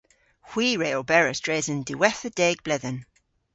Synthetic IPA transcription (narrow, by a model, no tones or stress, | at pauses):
hwiːɹeɔlˠbɛɹəsd̥ɹeːzə̃ndəwɛθəd̥ɛːɡ̚b̥lɛðən